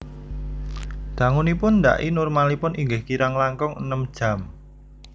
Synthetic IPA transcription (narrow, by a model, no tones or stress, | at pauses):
d̪̥a̤ŋunipʊnːd̪a̰ʔinʊrmalipʊnʔiŋɡɪhkiɾaŋlaŋkɔŋə̰nəmd̥ʒ̥ä̤m